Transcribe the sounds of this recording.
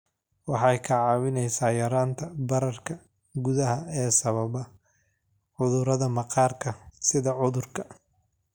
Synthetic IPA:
wɑħɑjkʰɐʕɑːβɪnɛjsaːjɐɾaːnt̪ʰɐbɐɾɐrkʰɐ | ɡʊðɐɦɐɛːsɐβɐβɐ | ʕʊðʊɾɐðɐmɑqɑːrkʰɐsɪðɐʕʊðʊrkʰɐ

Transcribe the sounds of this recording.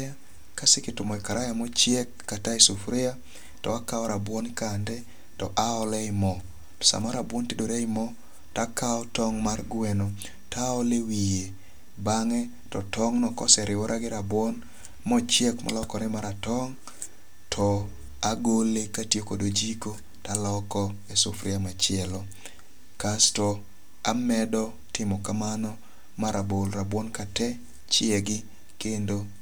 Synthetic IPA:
a | kasɪkɪtʊmɔɪkaɾʔajamɔt͡ʃjekːataisufɾɪa | tɔ̰akaɔɾabwɔnkandɛ | tɔʔaɔlɛɪmɔ | tɔ̥sa̰maɾabwɔntidoɾeɪmɔ | takaɔtɔŋmarɡweno | taɔlewije | baŋɛ | tɔtɔŋnɔkɔ̰sɛɾɪwɔɾʔaɡɪɾabwɔn | mɔt͡ʃjekma̰lɔkɔnɛmaɾatɔŋ | tʰɔ | aɡolekatjekodod͡ʒiko | talɔkɔ | esʊfɾɪamat͡ʃɪɛlɔ | kastɔ | amɛdɔ | tɪmɔkamanɔ | maɾabolɾabwɔnkatɛ | t͡ʃɪeɡɪ | kendo

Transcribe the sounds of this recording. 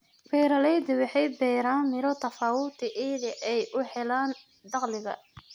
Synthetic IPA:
bɛːɾɐlɛjd̪ɪwɑħɛjbɛːɾaːnmɪɾɔt̪ʰɐfaːwʊt̪ʰɪʔɛːðɪʔɛjʔʊħɛlaːn | d̪ɑqlɪɣɐ̰

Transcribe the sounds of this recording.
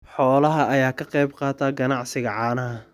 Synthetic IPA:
ħɔːlɐɦɐʔɐjaːkʰɐqɑjbqɑːt̪ʰaːɡɐnɑʕsɪɣɐʕɑːnɐɦɐ

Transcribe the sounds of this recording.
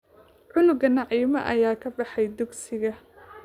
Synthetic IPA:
ʕʊlʊɡɐnɑʕiːmɐ̰ʔɐ̰jaːkʰɐbɑħɛjd̪ʊɡsɪɣɐ

